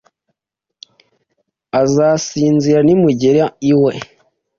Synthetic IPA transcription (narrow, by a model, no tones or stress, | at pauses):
azasiːnziɾanimuɟeɾaiwe̞